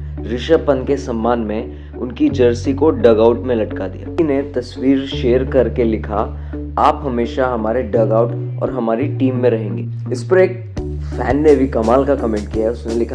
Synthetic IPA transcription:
ɾɪʃəpɐnkesɐ̃mːaːnmẽ | ʊnkid͡ʒəɾsikoɖɐɡaːʊʈmẽlɐʈkad̪ija̰ːnet̪ɐswiːɾʃeːəɾkɐɾkelɪkʰa | aːpɦɐmeːʃaɦɐmaːɾeɖɐɡaːʊʈɔ̰ːɾɦɐmaːɾiʈiːmːẽɾɐɦẽːŋɡeː | ɪspɐɾeːk̚ | fʰɛːnːeʋikɐmaːlkakɐmẽːɳʈ̚kijaɦɛʊsnelɪkʰa

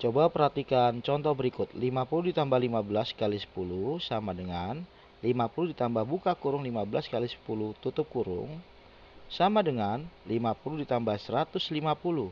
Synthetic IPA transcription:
t͡ʃobapərhat̪ikant͡ʃɔnt̪ɔhbəɾikʊt̪̚limapuludit̪ambahlimabəlaskalisə̥pulusamadəŋan | limapuludit̪ambahbukakuɾʊŋlimabəlaskalisə̥pulut̪ut̪ʊp̚kuɾʊ̰ŋ | samadəŋanlimapuludit̪ambahsəɾat̪ʊslimapulu

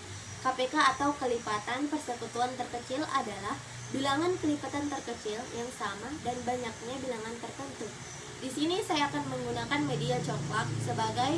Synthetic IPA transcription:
kapekaːt̪awkəlipat̪anpərsəkut̪uant̪ərkət͡ʃɪlʔa̰dalah | bilaŋankəlipat̪ant̪ərkət͡ʃɪljaŋsamadanbaɲak̚ɲabilaŋant̪ərt̪ənt̪u | disinisajaːkanməŋɡunakanmediat͡ʃɔkfak̚səbaɡaj

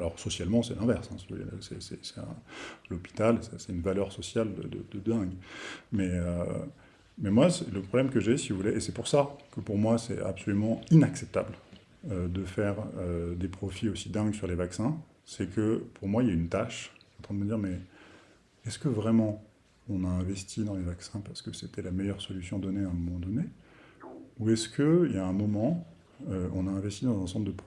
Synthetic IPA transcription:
alɔʁsɔsjalmɑ̃sɛlɛ̃vɛʁsɛ̃sivuḛsɛ̰sɛ̰sɛɛ̰̃lɔpi̥t̪alsɛsɛt̪ynvalœʁsɔsjald̪ə̰d̪ə̰d̪əd̪ɛ̃ɡmɛø | mɛmwasɛləpχɔblɛmkəʒesivuvuleʔesɛpuʁsakəpuʁmwasɛ̰a̰psɔlymɑ̃inaksɛp̚t̪a̰bl | ød̪əfɛʁød̪epχɔfiosid̪ɛ̃ɡsyʁlevaksɛ̃ | sɛkəpʰuʁmwailjaynt̪aʃɑ̃t̪χɛ̃d̪əməd̪iʁmɛ | ɛskəvʁɛmɑ̃ | ɔ̃naɛ̃vɛst̪ʰid̪ɑ̃levaksɛ̃paʁsə̥kəset̪ɛlamɛjœʁsɔlysjɔ̃d̪ɔneãmɔmɑ̃d̪ɔne | uɛskʰəiljaɛ̃mɔmɑ̃ | øɔ̃naɛ̃vɛst̪id̪ɑ̃zɛ̃sɑ̃pld̪əp

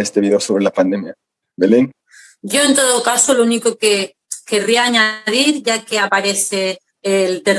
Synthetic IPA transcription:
est̪eβiðeosoβɾelapand̪emja | beleŋ | ɟ͡ʝoent̪oðokasolounikoke | keriaːɲaðiɾʝakeapaɾeθeː | lt̪er

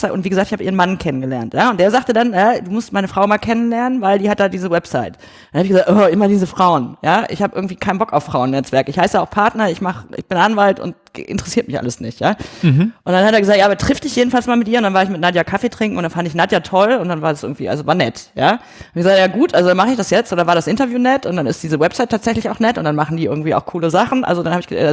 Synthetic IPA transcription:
atʔʊntviːɡəzaːkt̚ɪçhabəʔiːʁənmankʰɛnənɡəlɛɐntjaːʊnt̚d̥eːɐzaːχtədanɛduːmʊstmaɪnəfʁ̥aʊmaːlkʰɛnənlɛɐnənvaɪldiːhat̚d̥aːdiːzəwɛpsaɪt | ddanhabɪçɡəzaːk̚tʔɔʔɪmɐdiːzəfʁ̥aʊənjaːʔɪ̰çhaːbəʔɪɐɡŋ̩tv̥iːkʰaɪnbɔkaʊfʁ̥aʊnːɛt͡sv̥ɛɐkəɪçhaɪsəjaaʊxpʰaɐtnɐɪçmaχʔɪ̰çb̥ɪnʔanvaltʊ̰nt | ʔɪ̰ntəʁɛsiːɐt̚mɪçʔa̰ləsnɪ̰çtjaːʔʊntd̥anhateːɐɡəzaːktjaːʔabɐtʁ̥ɪfd̥ɪçjeːdn̩falsmaːlmɪt̚ʔiːɐʊntd̥anvaːɐɪçmɪtnadjakʰafeːtʁ̥ɪŋkŋ̩ʊnd̥anfandəɪçnadjatʰɔlʊntd̥anvaːɐdasʔɪɐɡŋ̩tv̥iːʔa̰lzovaːɐnɛtjaː | ɪçɡəzak̚tjaːɡuːtʔalzodanmaχəɪçd̥asjɛt͡stod̥anvaːɐɾasʔɪntɐvjuːnɛtʊntd̥anɪstd̥iːzəwɛpz̥aɪtʰːaːtz̥ɛçlɪçaʊxnɛtʔʊntd̥anmaχn̩diːʔɪɐɡŋ̩tv̥iːa̰ʊxkʰuːləzaχn̩ʔa̰lzodanhaːbɪçɡə

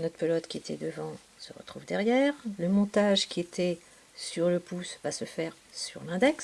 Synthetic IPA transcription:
nɔt̪χpɛlɔt̪kʲiet̪ʰɛ̰d̪əvɑ̃ | səʁə̰t̪χuvd̪ɛʁjɛʁləmɔ̃t̪aʒkʲiet̪ɛ | syʁləpusvasəfɛʁsy̰ʁlɛ̃d̪ɛks

